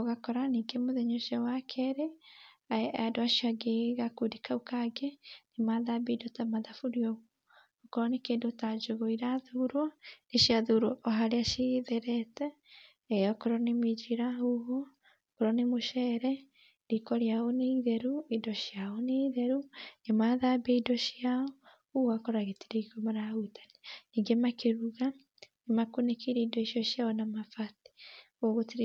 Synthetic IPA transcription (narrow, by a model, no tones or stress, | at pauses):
oɣakɔɾaniɡemoðɛɲoʃjawakʰɛɾe | aadoaʃjaɡeɣakudikaukaɡenimaðabidotamaðafuɾiɔɣoː | koɾɔnekeːndotad͡ʒoɣoiɾaðuɾwaneʃjaðuɾwɔʔɔɦaɾeaʃiðɛɾɛtɛ | ɛɔkoɾɔnemid͡ʒiɾahuɦo | koɾɔnemoʃɛɾɛ | ɾikoɾjaoneiðɛɾuidɔʃjaɔneðɛɾuemaðabeidɔʃjaɔ | uɣakoɾaɣetiɾeikomaɾautʰḁneiɡemakeɾuɣa | emakunekiɾeidɔiʃjɔʃjaɔnamafati̥ | oɣotiɾ